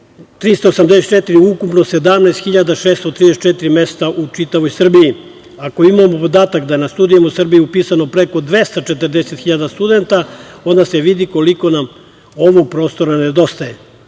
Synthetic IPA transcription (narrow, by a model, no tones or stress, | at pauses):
t̪ɾist̪oːsamd̪eset̪t͡ʃet̪iɾiukupno̞se̞d̪amnaest̪xiʎad̪aʃeːst̪ot̪ɾid̪eset͡ʃet̪iɾime̞st̪aʔut͡ʃit̪aʋojsr̩biji | ako̞imamopo̞d̪aːt̪akd̪ajenast̪ud̪ijemosr̩bijiupiːsano̞pɾe̞ko̞d̪ʋe̞st̪at͡ʃe̞t̪ərd̪e̞set̪xiʎad̪ast̪ud̪e̞nt̪ao̞nd̪aseʋid̪iko̞liko̞nam | o̞ʋo̞ɡ̚pɾo̞ːst̪o̞ɾaned̪o̞st̪aje